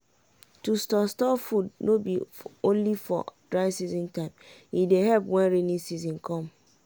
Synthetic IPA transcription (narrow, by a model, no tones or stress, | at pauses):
tustɔstɔfudnobiõnlifɔ̰d̥ɹaɪsizĩntãɪ̃mjidehɛlpwɛ̃nɹenĩsizɔ̃nkʰɔ̃m